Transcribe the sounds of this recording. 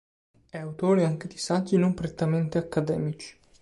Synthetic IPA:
ɛawt̪oːɾeaŋk̟ed̪isak̪ːinompɾet̪ːament̪eakːad̪ɛ̰ːmit͡ʃi̥

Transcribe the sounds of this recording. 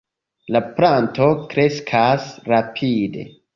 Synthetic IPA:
lapɾanto̞kɾe̞skʰasɾapʰide̞̰

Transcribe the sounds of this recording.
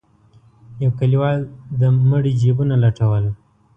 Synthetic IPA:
jawkaliwɑld̪əməɽid͡ʒebunalaʈawəl

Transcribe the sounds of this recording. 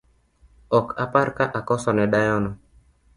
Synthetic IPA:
ɔkapaɾkaʔakɔsɔnɛɗajɔnɔ

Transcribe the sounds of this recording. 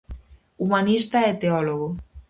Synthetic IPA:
umanist̪aet̪eɔloɣo

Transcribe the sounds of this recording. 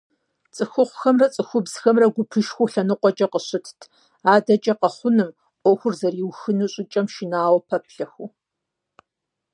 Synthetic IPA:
t͡sʼɨxʷʊχʷʊxɐmrɐt͡sʼɨxʷʊbz̥xɐmrɐɡʷʊpʰɨʃxʷuɬɐnɨqʷʼɔt͡ʃʼɐqəɕɪtʰtʰ | aːdɐt͡ʃʼɐqɐχʷʊnɨm | ʔʷɔxʷʊrzɐrjiwxɨnuɕʼɪt͡ʃʼɐmʃɪnaːwpʰɐpʰɬɐxu

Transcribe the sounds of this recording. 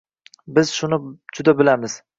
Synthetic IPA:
bɪzʃʊnɪd͡ʒʊd̪abɪlamɪz̥

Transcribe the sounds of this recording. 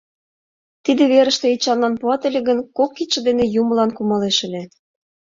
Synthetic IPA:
t̪id̪ĕβeɾə̆ʃt̪ĕit͡ɕɑnlɑnpuɑt̪ə̆lʲĕɣə̆nkokːit̪ʃə̆d̪enĕjumə̆lɑnkumɑleʃə̆lʲe

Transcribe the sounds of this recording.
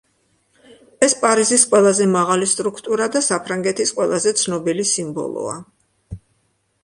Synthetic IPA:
ɛspʼaɾizisqʼwɛlˠazɛmaʁalist̪ʼɾukʰt̪ʼuɾad̪asapʰɾaŋɡɛt̪ʰisqʼwɛlˠazɛt̪sʰnɔbilisimbɔ̰lˠɔ̰a̰

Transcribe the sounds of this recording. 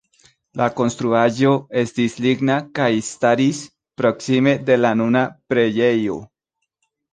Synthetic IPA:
lako̞nst̪ɾuaʒo̞est̪isliɡnakajst̪aɾis | pɾoksime̞d̪e̞lanunapɾeʝejo̰

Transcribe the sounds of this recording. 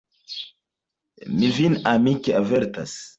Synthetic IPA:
mivinamikeaveɾta̰s

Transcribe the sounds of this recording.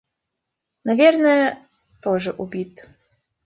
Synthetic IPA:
nɐvʲeɛrnəjɛ | t̪oʐɛʔubʲit̪

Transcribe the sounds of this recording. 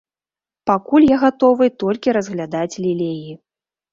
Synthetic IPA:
pakulʲjaɣat̪ɔvɨt̪ɔlʲkʲiɾɐzɣlʲad̪at͡sʲlʲilʲeji

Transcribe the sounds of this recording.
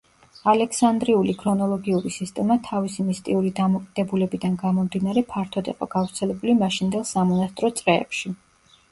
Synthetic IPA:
alɛksand̪ɾiulikʰɾɔnɔlˠɔɡiuɾisist̪ʼɛmat̪ʰavisimist̪ʼiuɾid̪amɔkʼid̪̥ɛbulɛbid̪anɡamɔmd̪inaɾɛpʰaɾt̪ʰɔd̪ḭqʼɔ̰ɡavɾt̪sʰɛlɛbulimaʃind̪ɛlˠsamɔnast̪ʼɾɔt̪sʼɾɛɛ̰pʃi

